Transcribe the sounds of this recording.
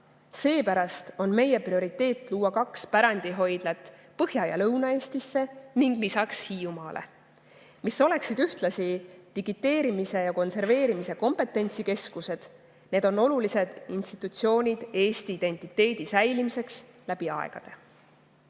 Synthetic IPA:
se̞ːpæɾɑst̪o̞nme̞je̞prio̞ɾit̪ːˑe̞ːt̪ːˑluːwɑkɑkspæɾɑnd̪̥iɦo̞jd̪̥let̪ːˑ | pɤhjɑjɑ̰lɤwnɑe̞ːst̪isːe̞niŋɡ̥lisɑkshiːumɑːlʔe̞̰ | miso̞le̞ksid̪yht̪lɑsit̪iɡit̪ːˑe̞ːɾimise̞jɑko̞nse̞rve̞ːɾimise̞ko̞mpe̞t̪ːˑe̞nʲt̪sike̞skuse̞d̪̥ | ne̞ːd̪̥o̞no̞lulise̞d̪̥inst̪i̥t̪ːˑut̪sio̞ːnʲid̪̥e̞ːst̪iiːd̪̥e̞nʲt̪ːˑit̪ːˑe̞ːd̪̥isæjlimise̞ks | læb̥iɑ̰ḛɡ̥ɑ̰d̪̥e̞̰

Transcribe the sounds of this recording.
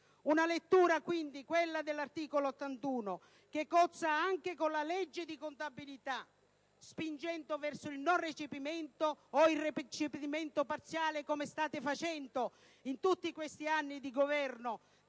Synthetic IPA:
unalet̪ːuːɾakwind̪ikwelːad̪elːart̪iːkoloːt̪ːant̪uːno | kekːɔt̪saaŋkekonlalɛd͡ʒːɪd̪ikont̪abilit̪a | spind͡ʒɛnt̪ovɛrsoilnɔnret͡ʃipimɛnt̪oːilrːept͡ʃipimɛnt̪opart̪sjaːlekɔmest̪aːt̪ɪfat͡ʃɛnt̪o | int̪ut̪ːikwest̪ianːid̪iɡovɛrno

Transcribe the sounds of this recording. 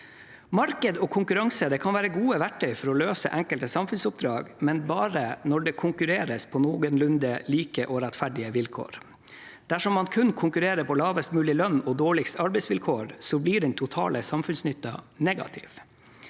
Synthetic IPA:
mɑɾkəd̪ɔkʰʊŋkʉɾɑŋsəd̪ɛːkʰɑnʋæːɾəɡuːəʋæʈʰːœʏfɔɾɔløːsə̰ʔɛŋkəlt̪əsɑmfʉnsʊp̚d̪ɾɑːɡmɛnbɑːɾənɔɖɛːkʰʊŋkʉɾeːɾəspʰɔnoːɡənlʉnd̪əliːkəʔɔɾɛt̪fæɖɪəʋɪlkʰo̰ːɾ | d̪̥æʂɔmːɑnkʰʉnkʰʊŋkʉɾeːɾəpʰɔlɑːʋəst̪mʉːlɪlœnːɔd̪oːɭɪkst̪ɑɾbɛɪsʋɪlkʰoːɾsɔbliːɖɛnt̪ʰʊt̪ʰɑ̰ːləsɑmfʉnsnʏt̪ːɑ̰nɛɡɑ̰t̪ʰɪ̰ʋ

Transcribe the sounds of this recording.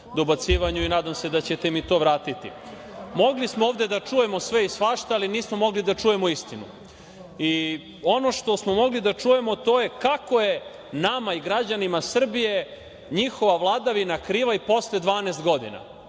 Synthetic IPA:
d̪obat̪siːʋaɲuinaːd̪amse̞d̪at͡ɕe̞t̪emit̪o̞ːʋɾaːt̪it̪ḭ | mo̞ɡlismooːʋd̪e̞d̪at͡ʂuje̞mo̞sʋeisʋaːʃt̪aaliniːsmomo̞ɡlid̪at͡ʂuje̞moist̪inṵ | i | o̞no̞ʃt̪o̞smo̞mo̞ɡlid̪at͡ʂuje̞mo̞t̪o̞ːje̞kakoje̞ | namaiɡɾad͡ʑanimasr̩bije̞ | ɲixo̞ʋaʋlˠaːd̪aʋinakɾiːʋaipo̞sled̪ʋaːneːst̪ɡo̞d̪ḭna̰

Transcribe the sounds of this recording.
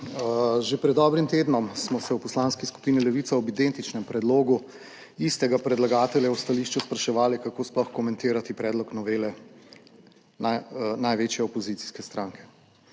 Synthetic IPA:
ʒepɾɛd̪ːɔbɾimt̪eːd̪nɔmsmɔsɛwpɔslaːnskisku̥piːnilɛʋiːt̪saɔbid̪ent̪it͡ʃnɛmpɾɛd̪loːɡu | ist̪ɛɡapɾɛd̪laɡaːt̪ɛljawst̪aliʃt͡ʃuspɾaʃɛʋaːlikakoːsplɔxkɔmɛ̃nt̪eːɾat̪ipɾɛːd̪lɔknɔʋeːlɛ | nanajʋeːt͡ʃjɛɔpɔzit̪si̥skɛst̪ɾãŋkʰɛ̥

